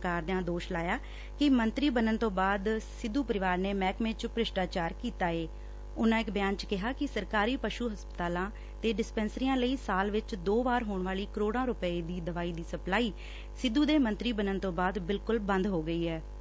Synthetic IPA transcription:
kaːɾd̪ãːd̪oːʃlaːjaː | kɪmənt̪ɾiːbənənt̪õːbaːd̪sɪd̪ːuːpəɾɪʋaːɾneːmɛːkmẽːt͡ʃpɾɪʃʈaːt͡ʃaːɾkiːt̪aːeː | ʊnãːɪkbjaːnt͡ʃkɪɦaːkɪsəɾkaːɾiːpəʃuːɦəspət̪aːlãː | t̪eːɖɪspɛːnsɾiːãːləiːsaːlʋɪt͡ʃd̪oːʋaːɾɦoːɳʋaːliːkəɾoːɽãːɾʊpəeːd̪iːd̪əʋaːiːd̪iːsəplaːiː | sɪd̪ːuːd̪eːmənt̪ɾiːbənənt̪õːbaːd̪bɪlkʊlbə̃nd̪ɦoːɡəiːɦɛː

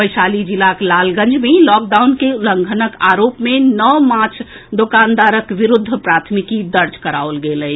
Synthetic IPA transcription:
əjsaːlid͡ʒilaklaːlɡə̃nd͡ʒʱmelɔk̚ɖawnkeuləŋɡʱənəkaːɾoːpmenɔʋmaɾt͡ʃʰ | d̪okaːnd̪aːɾəkʋiɾʊd̪ʱːəpɾat̪ʰmikid̪əɾt͡ʃkəɾaolɡeləj

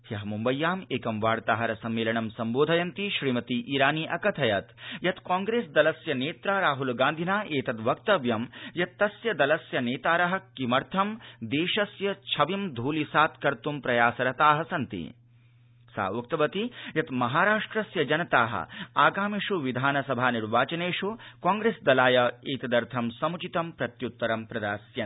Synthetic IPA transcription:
jɐɦɐmumbɐjːaːmeːkɐmʋaːɽt̪aːɦɐɾɐsɐmːeːlɐɳɐmsɐmboːd̪ʱɐjɐnt̪iʃɾiːmɐt̪iʔiːɾaːniːʔɐkɐt̪ʰɐjɐt̪jɐt̪kaːŋɡɾeːsd̪ɐlɐsjɐneːt̪ɾaːɾaːɦulɡãːnd̪ʱinaːʔeːt̪ɐt̪ʋɐk̚t̪ɐʋjɐmjɐt̪ːɐsjɐd̪ɐlɐsjɐneːt̪aːɾɐɦɐ̆kimɐɾt̪ʰɐmd̪eːʂɐsjɐt͡ʃʰɐʋɐmd̪ʱuːlisaːt̪kɐɾt̪umpɾɐjaːsɐɾɐt̪aːɦɐsɐnt̪ḭ | sa̰ːʋuk̚t̪ɐʋɐt̪ijɐt̪mɐɦaːɾaːʂʈɾɐsjɐd͡ʒɐnɐt̪aːɦɐ̰aːɡaːmiʂuʋid̪ʱaːnɐsɐbʱaːniɾʋaːt͡ʃɐneːʂukaːŋɡɾeːsd̪ɐlaːjɐeːt̪ɐd̪ɐɾt̪ʰɐmsɐmut͡ʃit̪ɐmpɾɐt̪jut̪ːɐɾɐmpɾɐd̪aːsjɐ

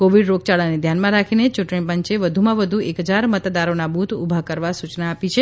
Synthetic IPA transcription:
koʋiɖɾoɡ̚t͡ʃaɭaned̪ʱjanmãɾakʰinet͡ʃuʈɳ̃ipəɲt͡ʃeʋəd̪ʱumãʋəd̪ʱuekɦəd͡ʒaɾmət̪d̪aɾonabut̪ʰubʱakəɾʋasut͡ʃnaːpit͡ʃʰe

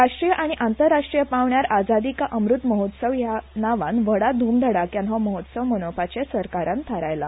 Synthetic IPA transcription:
aʂʈɾijəʔaɽ̃iʔant̪əɾːaʂʈɾijəpaʋɳjaɾad͡zad̪ikaʔəmɾut̪məɦot̪səʋjanaʋanʋəɽad̪ʱuːmd̪ʱəɽakjãnɦɔməɦot̪səʋmənopat͡ɕesəɾkaɾãnt̪ʰaɾajla̰

